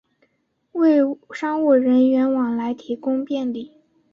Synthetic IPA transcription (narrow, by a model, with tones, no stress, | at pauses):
we˥˩ɪʂɑ˥ŋwu˥˩ɻə˧˥nɥɛ˧˥nwɑ˨˩ŋla˧˥ɪt̪ʰi˧˥kʊ˥ŋpjɛ˥˧nli˥˩